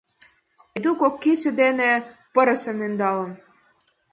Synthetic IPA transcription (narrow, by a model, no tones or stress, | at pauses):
d̪ukokːit͡ɕə̆d̪enepɤ̆ɾɤ̆sə̆mønd̪ɑlɤ̆n